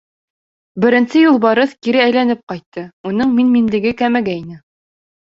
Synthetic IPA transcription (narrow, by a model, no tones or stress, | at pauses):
bɘ̆ɾɘ̆nsɘjulˠbɑɾɤθkiɾɘæjlænɘp̚qɑjt̪ːɤunɤɴminminlɘ̆ɡɘkæmæɡæinɘ